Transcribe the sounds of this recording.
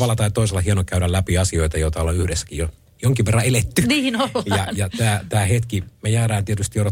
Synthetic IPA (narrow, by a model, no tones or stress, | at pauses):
ʋɑlːˑɑt̪ɑit̪oiselɑhiɑnokæyɾællæpiɑsioit̪ɑjoit̪ɑolːɑyhdesːæ̥kijo | joŋkiʋerːɑelet̪ːyniːnoljɑjɑt̪æːt̪æːhet̪kimejæːɾæːnt̪iet̪yst̪ioɾɑ